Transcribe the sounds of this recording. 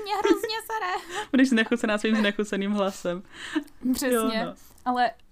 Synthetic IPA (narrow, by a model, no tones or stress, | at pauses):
mɲɛɦɾozɲɛsaɾɛbudɛʒznɛxut͡sɛnaːsʋiːmznɛxut͡sɛniːmɦlasɛmbr̥ɛjoɲɛo | ʔalɛ